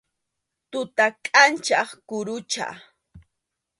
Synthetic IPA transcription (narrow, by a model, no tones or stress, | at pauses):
t̪ʊt̪akʼant͡ʃɑχkʊɾʊt͡ʃa̰